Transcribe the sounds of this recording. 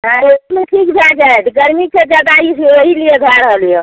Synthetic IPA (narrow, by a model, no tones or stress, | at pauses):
ɦãemeʈʰikd͡ʒad͡ʒaeʈ̪ʰɡəɾmiked͡ʒəd̪aiseɾəɦilieɡʱaɾɦəljo